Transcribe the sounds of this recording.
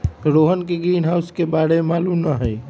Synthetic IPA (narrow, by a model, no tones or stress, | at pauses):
ɾoːɦənkeɡɾiːnɦaːʊskebaːɾemaːlumnəɦɛː